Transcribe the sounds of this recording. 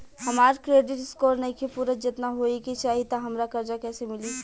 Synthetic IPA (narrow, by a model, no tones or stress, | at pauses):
hɐmaːɾkɾeːɖɪʈskɔːɾnɐikʰepuːɾəd͡ʒɪt̪naɦoːikit͡ʃaːɦit̪aɦɐmɾakɐɾd͡ʒakɛːsemɪli